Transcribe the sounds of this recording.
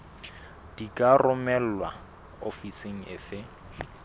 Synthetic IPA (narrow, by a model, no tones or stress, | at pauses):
d̥ikʼarʊmɛl̩wa | ofiseŋ̩ɪ̰fɪ